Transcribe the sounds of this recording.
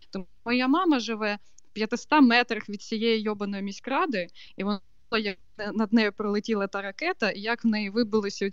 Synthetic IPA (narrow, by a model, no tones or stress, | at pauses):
t̪ɔm | ɔjamɑmɐʒɪʋɛ | pʲjɐt̪ɪst̪ɑmɛt̪ɾɐxʋʲid̪t͡sʲijɛjijɔbɐnɔjimʲisʲkɾɑd̪ɪ | iʋɔnˠ | ɐjɐk̚ | nɐd̪̚nɛjʊpɾɔlˠɪtʲilˠɐt̪ɑɾɐkɛt̪ɐʔijɐkwnɛjiʋɪbɨlˠɪsʲɐʊ